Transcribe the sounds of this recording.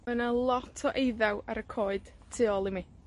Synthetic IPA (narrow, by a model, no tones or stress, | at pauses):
mənalˠɔtʰɔʔejðawaɾəkʰoːɨd̥ | tʰɪɔlˠimi